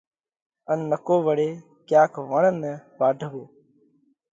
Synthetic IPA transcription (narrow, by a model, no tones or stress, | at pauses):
ənːəkoːʋəɽeː | kjaːkʰʋəɳənːəʋaːɖʱəʋoː